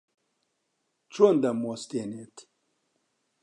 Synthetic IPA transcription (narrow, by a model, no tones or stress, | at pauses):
t͡ʃond̪ɐmost̪enet̪